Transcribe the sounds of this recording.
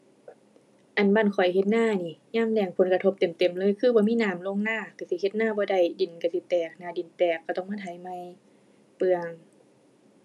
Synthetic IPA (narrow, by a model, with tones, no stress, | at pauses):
ʔa˨˩nbaː˧˥˨nkʰɔ˨˩jhe˧t̪̚naː˧˥˨niː˧˩˨ɲaː˧˩˨ŋlɛː˧˩ŋpʰo˨˦nka˧o˧p̚t̪e˨˩˦mt̪e˨˩mlɤː˧˥˨jkʰɯː˧bɔː˧˦miː˧˥˨naː˧˦˨mlo˧˨ŋnaː˧˩˨ka˧˩si˧˦he˧˦t̪̚naː˧˥˨bɔː˧˦da˧˩jdi˨˩˦nka˧˩si˧˦t̪ɛː˨˩k̚naː˧˩di˨˦nt̪ɛː˨˩kːa˧˩t̪ɔ˧˩ŋmaː˧˥˨t̪ʰa˨˧˦jma˧˩˨j | pɯ˧əŋ